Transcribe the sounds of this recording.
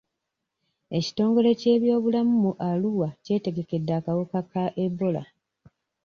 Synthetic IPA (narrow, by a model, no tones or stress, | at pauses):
e̞ci̥to̞ːŋɡo̞le̞ce̞ːβjo̞ːβulamumuʔaluwace̞ːte̞ɡe̞ke̞dːaːkawukakaʔe̞bo̞la̰